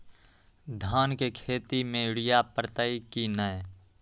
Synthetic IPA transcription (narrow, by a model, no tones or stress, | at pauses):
d̪ʱaːnkekʰeːt̪imẽʊɽɪjapɾət̪əikinəj